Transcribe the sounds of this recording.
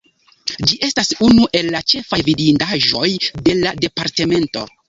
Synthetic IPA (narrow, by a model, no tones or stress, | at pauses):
d͡ʒiʔe̞stasunuʔe̞lːat͡ʃe̞favidindaʒo̞jde̞lade̞paɾte̞me̞nto̞̰